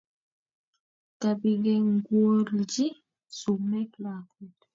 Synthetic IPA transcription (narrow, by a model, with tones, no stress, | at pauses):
kabiɡɛŋɡwo˦ɾd͡ʒi˦ | su˨mɛ˦kla˨kut